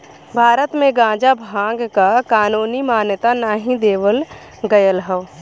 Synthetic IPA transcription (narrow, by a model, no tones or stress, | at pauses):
bʱaːɾət̪mẽɡãːd͡ʒabʱãːɡkakaːnuːnimaːnjət̪anaːɦĩd̪eːʋəl | ɡəjəlɦəʋ